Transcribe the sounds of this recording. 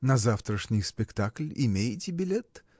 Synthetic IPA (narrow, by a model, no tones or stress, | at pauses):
nɐzaft̪ɾəʂnʲɪjspʲɪkt̪aklʲɪ̰mʲejɪtʲɪbʲɪlʲet̪